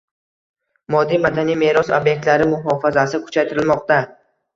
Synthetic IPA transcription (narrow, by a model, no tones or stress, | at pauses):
mɒd̪ːijmad̪anijme̞ɾɒsobje̞k̚t̪laɾɪmʊɦɒfazasɪkʰʊ̥t͡ʃʰajt̪ʰɪɾɪlmɒqt̪a